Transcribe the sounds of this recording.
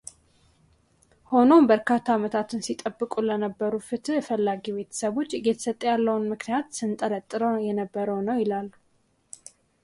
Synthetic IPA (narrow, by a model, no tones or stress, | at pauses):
ho̞no̞mbəɾkʰat̪ʰːamət̪ʰat̪ʰɨnsit̪ʼəbːɨkʼulənəbːəɾufɨt̪ʰɨfəlːaɡiβe̞t̪ʰə̥səβo̞t͡ʃːɡɛt̪ʰə̥sət̪ʼːəjalːəwunmɨknijat̪sɨnt̪ʼəɾət̪ʼːɨɾəwjɛnəbːəɾəwnəwjɪlalːu